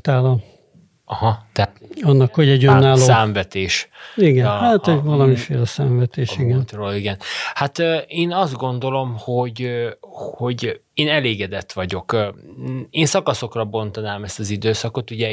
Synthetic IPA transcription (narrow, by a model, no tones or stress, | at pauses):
t̪aːlɒ | ɒhɒt̪ɛɒnːɒkho̞ɟɛɟønːaːloːsaːɱvɛt̪eːʃiɡɛnhat̪hoɟvɒlɒmifeːlɛsaːɱvɛt̪eːʃiɡɛnt̪roːliɡɛnhat̪ːeːnɒzd̪̚ɡo̞nd̪o̞lo̞mho̞ɟ | ho̞ɟ | eːnɛleːɡɛd̪ɛt̪ʋɒɟo̞kː | eːnsɒkɒso̞krɒbo̞nt̪ɒnaːmɛst̪ɒzid̪øːsɒko̞t̪uɟɛ